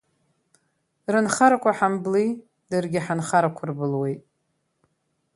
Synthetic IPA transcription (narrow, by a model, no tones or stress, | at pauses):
rɨnχaɾakʷʰaħambli | dɨrɡʲɪħanχaɾakʷʰʊrbɨlwejtʼ